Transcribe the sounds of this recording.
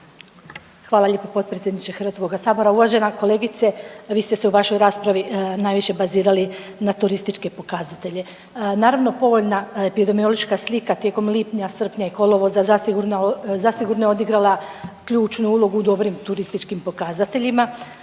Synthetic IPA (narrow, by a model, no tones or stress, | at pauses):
xʋaːlˠaʎeːpopot̪̚pɾesʲjed̪nit͡ʃexər̩ʋat̪ko̞ɡasaːbo̞ɾauʋaʒe̞nako̞le̞ɡit̪seʋiːst̪e̞seuʋaʃo̞jɾaːspɾaʋinaːjʋiʃe̞baziːɾalinat̪uɾist̪it͡ʃke̞po̞kazat̪e̞ʎe | naːɾaʋno̞po̞ʋo̞ʎnaepid̪o̞mio̞loʃkaslˠikat̪jeko̞mlipɲasr̩pɲaiko̞lˠo̞ʋo̞zazasiɡuɾnazasiɡuɾnojeod̪iɡɾalˠakʎuːt͡ʃnuulˠo̞ɡuːd̪o̞bɾimt̪uɾist̪it͡ʃkimpo̞kazat̪e̞ʎima